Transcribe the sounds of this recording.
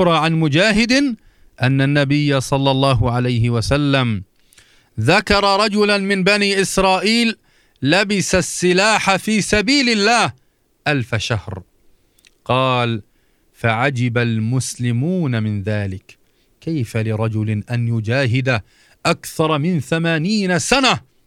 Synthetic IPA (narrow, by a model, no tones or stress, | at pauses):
ɾˤɑʕanmʊd͡ʒaːɦɪd̪ɪ | ʔanːanːabɪjːasˤɑlːɑlˤːɑːɦʊʕalajɦɪwasalːam | ðakɑɾˤɑɾˤɑd͡ʒʊlanmɪnbaniːʔɪsɾˤɑːʔiːlː | abɪsasːɪlaːħafiːsabiːlɪlːaːh | ʔalfaʃahɾ | qɑːl | faʕad͡ʒɪbalmʊslɪmuːnamɪnðaːlɪkː | ajfalɪɾˤɑd͡ʒʊlɪʔanjʊd͡ʒaːɦɪd̪a | ʔakθɑɾˤmɪnθamaːniːnasana